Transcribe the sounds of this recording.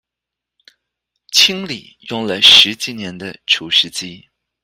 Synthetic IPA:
t͡ɕʰi˥ŋli˨˩ | jʊ˥˧ŋlə˧ʂɻ̩˧˥t͡ɕi˨˥˩njɛ˧˥nd̪ə˧ʈ͡ʂʰu˧˥ʂɻ̩˥t͡ɕi˥

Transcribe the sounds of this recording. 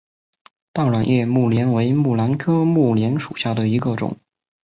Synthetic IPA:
t̪ɑ˥˩ʊlwa˨˩njɛ˥˧mu˥˩ljɛ˧˥nwe˧˥ɪmu˥˩la˧˥nkʰɤ˥mu˥˩ljɛ˧˥nʂu˨˩ɕja˥˩d̪ə˩i˧˥ɡə˧ʈ͡ʂʊ̰˨˩˦ŋ

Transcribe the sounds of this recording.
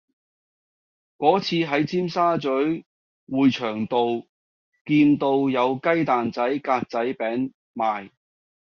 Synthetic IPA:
kɔː˨˥t͡sʰiː˧ɦɐ˨˥jt͡siː˥msaː˥t͡sɵ˨˥ɥ | wuː˨jt͡ʃʰœː˨˩ŋt̪o˨w | kiː˧nt̪o˧wjɐ˨˧wkɐ˥jt̪aː˨nt͡sɐ˨˥jkaː˧k̚t͡sɐ˨˥jpɛː˨˥ŋ | maː˨j

